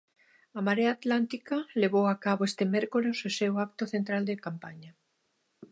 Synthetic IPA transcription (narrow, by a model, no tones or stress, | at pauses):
amaɾeat̪lant̪ikaleβowakaβoest̪emeɾkolesesewak̚t̪oθent̪ɾald̪ekampaɲa